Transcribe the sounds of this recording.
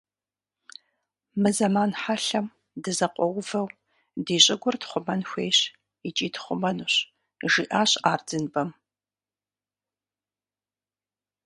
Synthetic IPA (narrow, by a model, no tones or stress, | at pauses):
mɨzɐmaːnħaɬɐm | dɨzɐqʷʼɔwvɐw | diːɕʼɪɡʷʊrtχʷʊmɐnxʷeːɕ | it͡ʃʼiːtχʷʊmɐnʊɕ | ʒiʔaːɕaːrdɨnbɐm